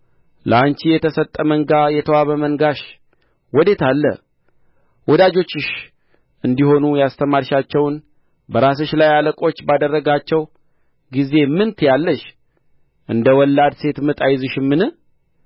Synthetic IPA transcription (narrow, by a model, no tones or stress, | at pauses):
lə̰ant͡ʃijɛt̪ʰəsət̪ʼːəməŋɡajɛt̪ʰəwaβəməŋɡaʃ | wɔd̪e̞t̪ʰalːə̰ | wɔd̪ad͡ʒo̞t͡ʃːɪʃ | ɨnd̪iho̞nujast̪ʰəmaɾʃat͡ʃːɛwn | bəɾas̬oʃlajaləkʼo̞t͡ʃːbad̪ərːəɡat͡ʃːɛw | ɡize̞mɨnt̪ʰjalːəʃ | ʔɨnd̪əwɔlːad̪se̞t̪mɨt̪ʼajzɨʃɪmːɨnɨ